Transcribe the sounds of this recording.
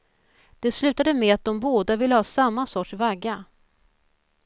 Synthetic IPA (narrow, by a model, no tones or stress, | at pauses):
d̪̥ɛslʉ̟ːt̪ad̪əmɛat̪̚d̪ɔmboːd̪avɪlːəhɑːsamːasɔʈʂvaɡːa